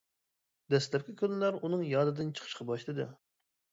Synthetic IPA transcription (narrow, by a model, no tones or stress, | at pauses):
d̪ɛslɛp̚ʲkʲikʲʰønɪlæɾunɨŋjɑːd̪ɨd̪ɨnt͡ʃʰə̥qʰə̥ʃqʰɑbɑʃt̪ɨd̪ɨ